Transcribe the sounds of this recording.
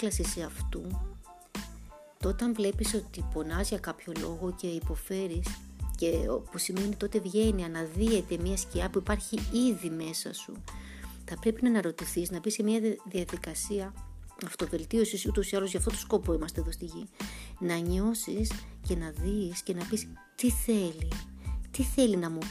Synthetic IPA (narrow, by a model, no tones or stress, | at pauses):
klɐsiseɐft̪u | t̪o̞t̪ɐɱvle̞piso̞t̪ipo̞nɐzʝɐkɐpço̞lo̞̰ɣo̞ce̞ipo̞fe̞ɾisceo̰pusime̞nit̪o̞t̪e̞vʝe̞niɐnɐðie̞t̪e̞mɲɐsciɐpuipɐɾçiiðime̞sɐ̰sṵ | θɐpɾe̞pinɐnɐɾo̞t̪iθiznɐbiscemiɐðiɐðikɐsiɐ | ɐft̪o̞ve̞lt̪io̞sisut̪o̞siɐlo̞zʝɐft̪o̞t̪o̥sko̞poimɐst̪eðo̞st̪iʝinɐɲo̞sisce̞nɐðisce̞nɐpis | t̪iθe̞lit̪iθe̞linɐmu